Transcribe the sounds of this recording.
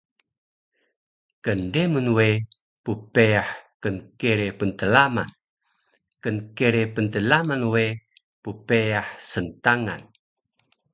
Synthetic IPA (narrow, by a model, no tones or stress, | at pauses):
kəndemunwe | pupeaħkənkeɾepənt̪əlama̰n | kənkeɾepənt̪əlamanwe | pupeaħsənt̪aŋa̰n